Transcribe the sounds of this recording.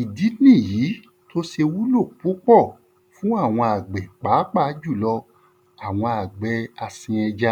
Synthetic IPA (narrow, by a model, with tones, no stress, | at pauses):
i˨di˨˦nĩ˦˨jiː˨˦ | to˦ʃe˧wu˦lo˦˨k͡pu˦k͡pɔ˦˨ | fũ˦a˦˨w̃ɔ̃˧a˨ɡ͡bɛ˨k͡pa˨˦k͡pa˦˨˦d͡ʒu˦˨lɔ˧ | a˨w̃ɔ̃˧a˨ɡ͡bɛ˨a˧sĩ˧ɛ˧d͡ʒa˧